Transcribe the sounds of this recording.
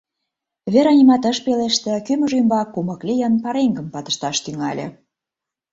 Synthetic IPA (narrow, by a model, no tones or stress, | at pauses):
βeɾɑnʲimɑt̪ə̆ʃpeleʃt̪ĕkymə̆ʒymbɑkːumɤ̆klʲijənpɑɾeŋɡə̆mpɑt̪ə̥̆ʃt̪ɑʃt̪yŋɑ̰lʲḛ̆